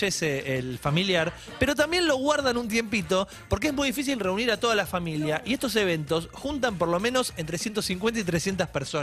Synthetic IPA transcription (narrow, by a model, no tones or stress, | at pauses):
eseːlfamiljaɾ | pe̞ɾo̞t̪̬ambje̞nlo̞ɣwaɾðanũnt̪̬je̞mpit̪o̞ | po̞ɾkeezmujðifis̬ilreuniɾat̪o̞ðalafamiljaʔiest̪o̞s̬e̞β̞e̞nt̪o̞sxunt̪ampo̞ɾlo̞mẽ̞no̞sent̪ɾesjent̪o̞siŋk̬we̞nt̪ait̪̬ɾesjent̪aspeɾso